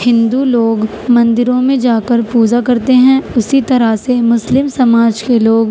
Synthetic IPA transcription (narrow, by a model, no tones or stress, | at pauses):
hɪ̃nd̪uloːɡ | mɐ̃nd̪ɪɾõmẽd͡ʒaːkəɾpuːd͡ʒakɐɾt̪eɦɛ̃ʊsit̪ɐɾasemʊslɪmsɐmaːd͡ʒkeloːɡ